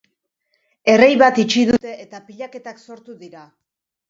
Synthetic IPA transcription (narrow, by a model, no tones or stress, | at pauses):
e̞rejβat̪it͡ʃiðut̪e̞ʔːt̪apiʎake̞t̪akso̞ɾt̪uðiɾa